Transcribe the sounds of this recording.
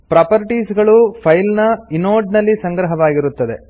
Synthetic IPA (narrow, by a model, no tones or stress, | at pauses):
pɾaːpɐɾʈiːsɡɐɭupʰɐjlnɐinoːɾɖnɐlːisɐŋɡɾɐɦɐʋaːɡiɾut̪ːɐd̪e̞̰